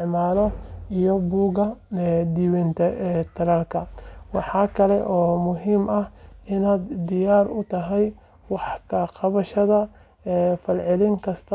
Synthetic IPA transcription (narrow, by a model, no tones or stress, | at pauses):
ʕmaːlɔijɔbuːɣɐd̪iːwɛnt̪ʰɐt̪ʰɐɾɐlkʰɐwɑħɑːkʰɐlɛʔɔːmʊɦiːmɐhɪnaːd̪d̪ɪjaːrʊt̪ʰɐɦɛj | wɑħkʰɐqɑβɐʃɐðɐ | fɐlʕɪlɪŋkʰɐst̪ʰɐ